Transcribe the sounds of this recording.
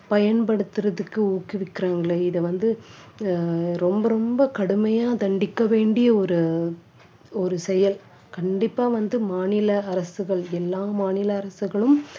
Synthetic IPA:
pɐjɐnpɐɽɯt̪ːɯɾɐðɯkːɯuːkːɪʋɪkːɪɾaːŋɡɐɭeɪðɐʋɐnd̪ɯ | ɾɔmbɐɾɔmbɐkɐɽɯmɐjaːt̪ɐɳɖɪkːɐʋeːɳɖɪjɐɔɾɯ | ɔɾɯsɛjɐl | kɐɳɖɪpːaːʋɐnd̪ɯmaːnɪlɐːɾɐsɯɣɐɭɛlːaːmaːnɪlɐːɾɐsɯɣɐɭɯm

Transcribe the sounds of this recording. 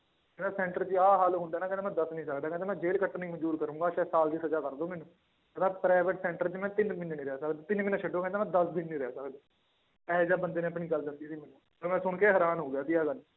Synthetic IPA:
kɛnaːsɛ̃ːɳʈəɾt͡ʃiaːɦaːlɦʊ̃nd̪aːnaːkɛ̃nːmɛ̃ːd̪əsnəĩːsəkd̪aːkɛ̃nt̪ːmɛ̃ːd͡ʒeːlkəʈːnĩːməɲd͡ʒuːɾkəɾũːŋɡaːʃɛːsaːld̪iːsəd͡ʒaːkəɾd̪õːmɛ̃ːnũː | ət̪ãːpɾaːɪʋəʈsɛ̃ːɳʈəɾt͡ʃmɛ̃ːt̪ɪnmɪnːnĩːɾɛːsəkd̪at̪ɪnmɪnãt͡ʃʰəɖõːkɛ̃nt̪aːmɛ̃ːd̪əsd̪ɪnːĩːɾɛsəkd̪aː | pɛːd͡ʒaːbənd̪eːnẽːəpɳiːɡəld͡ʒãnd̪iːsiːmɛːnũːsəɾmɛ̃ːsʊɳkeːɦəɾaːnɦoːɡejaːt̪iaːɡəl

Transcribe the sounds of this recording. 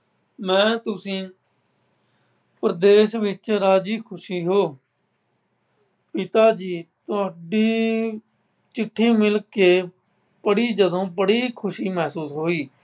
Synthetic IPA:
mɛ̃ːt̪ʊsĩː | pəɾəd̪eːʃʋɪt͡ʃɾaːd͡ʒiːkʰʊʃiːɦoː | pɪt̪aːd͡ʒiːt̪ʊaːɖiː | t͡ʃɪʈʰːiːmɪlkeː | pəɽiːd͡ʒəd̪õːbəɽiːkʰʊʃiːmɛːsuːsɦoːiː

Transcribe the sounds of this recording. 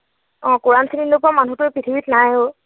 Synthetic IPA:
ɔ̃kuɹansʰininːʊpʊamanutʊepɹitʰibitnajo

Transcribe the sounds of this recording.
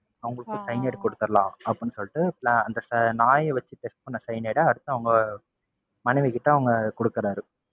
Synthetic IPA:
ɐʋɐŋɡɐɭɯkːɯsɐjneːɽkɔɽɯt̪ːɯɾɐlã̰ːɐpːɯnːɯsɔlːɪʈːɯplaːɐnd̪ɐsɐnaːjʋɐt͡ʃːɯpɛsʈ̚pɐnːɐsɐjneːɽɐɐɽɯt̪ːɐ̃ɐʋɐŋɡɐ | mɐnɐʋikɪʈːɐɐʋɐŋɡɐkɔɽɯkːɐɾaːɾɯ

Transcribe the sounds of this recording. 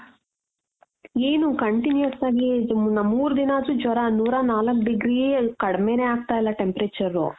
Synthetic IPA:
eːnukɐɳʈinjjɐsaːɡinɐmːuːɾud̪inaːd͡ʒud͡ʒɐɾanuːɾaːnaːlɐkɖiɡɾiːkɐɽɐmeːneːaːɡ̚t̪aːjlːɐʈe̞mpɾeːt͡ʃɐɾːṵ

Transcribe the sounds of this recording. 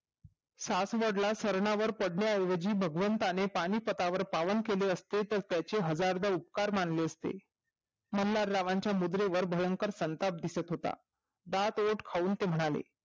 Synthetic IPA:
sasʋəɽlasəɾɳaʋəɾpəɽɳjajʋəd͡ʑiːbʱəɡʋənt̪anepaɽ̃iːpət̪aʋəɾpaʋənkeleəst̪et̪əɾt̪jat͡ɕeɦəd͡zaɾd̪aup̚kaɾmaɳleəst̪ḛ | məllaɾːaʋãɲt͡ɕjamud̪ɾeʋəɾbʱəjəŋkəɾsənt̪ap̚d̪isət̪ɦot̪a̰ | d̪at̪oʈkʰauːnt̪em̤əɽ̃alḛ

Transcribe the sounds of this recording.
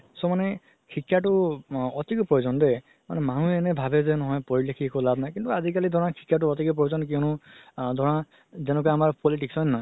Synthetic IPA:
somane | kʰikʰːjaʈuɔt̪ikɔpɾɔjod͡ʒɔnd̪e | ma̰nemanũenebʱabezenɔɦɔ̃jpɔɹilekʰiekulabʱnajkint̪uazikalid̪ʱɔɹ̃ãkʰi̥kːaʈ̬uɔt̪ikɔp̬ɾɔjod͡ʒɔnk̬iwnũd̪ʱɔɹ̃ã | zenɔk̬eamaɾpɔliʈ̬iksɔjnnɔj

